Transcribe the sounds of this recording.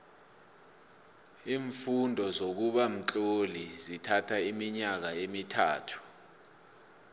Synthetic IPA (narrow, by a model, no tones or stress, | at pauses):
iːɱfundʱɔzok̬uɓam̩t͡ɬʼolizitʰatʰaimiɲak̬aemitʰa̰ːtʰu̥